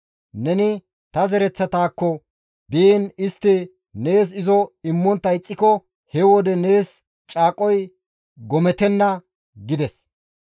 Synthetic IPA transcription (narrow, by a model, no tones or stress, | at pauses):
nɛnɪ | t̪ɐzɛɾɛt͡sːɐt̪aːkːɔ | biːnɪst̪ːɪ | ne̞ːs̬ɪzɔɪmːɔnt̪ːɐjt͡sʼːɪkɔ | hɛwɔd̪ɛne̞ːs | t͡ʃʼaːkʼɔj | ɡɔmɛt̪ɛnːɐ | ɡɪd̪ɛs